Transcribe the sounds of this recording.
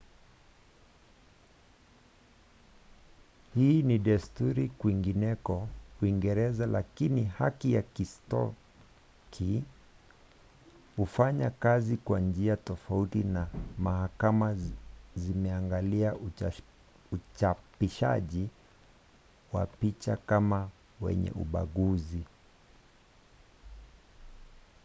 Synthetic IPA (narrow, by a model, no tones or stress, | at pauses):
hiːniɗastuɾikwiŋɡinɛkɔwiŋɡɛɾɛzalakinihakijakistɔ̰ | kʰi | hufaɲakazikwand͡ʒiatɔfautinamahakamazimɛaŋɡalia | ut͡ʃapiʃa̰ʄi | wa̰pit͡ʃakama | wɛ̰ɲɛ̰ʔṵɓa̰ɠuzi